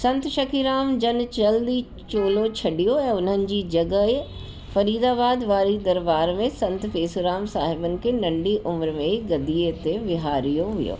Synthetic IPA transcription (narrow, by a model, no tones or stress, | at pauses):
sɐ̃nt̪ʃɐkʰiɾaːmd͡ʑɐnt͡ɕɐld̪i | t͡ɕoːlot͡ɕʰɐɗijoɛ̃ːʊn̤ənɪ̆d͡ʑiːd͡ʑɐɡəɪ | fɐɾiːd̪aːbaːd̪ʋaːɾid̪ɐɾbaːɾmẽsɐ̃nt̪feːsuɾaːmsaːɦɪbənɪ̆kʰenɐ̃ɳɖiʔʊmɾmẽɡɐd̪iːet̪eʋɪɦaːɾijoɦʊ̰jo̰ː